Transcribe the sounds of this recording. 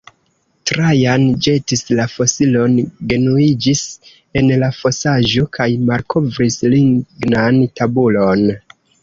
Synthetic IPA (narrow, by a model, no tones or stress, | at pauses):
tɾajand͡ʒe̞tislafo̞silo̞nɡe̞nuid͡ʒis | e̞nlafo̞saʒo̞kajmalkʰo̞vɾisliŋɡnantabulo̞n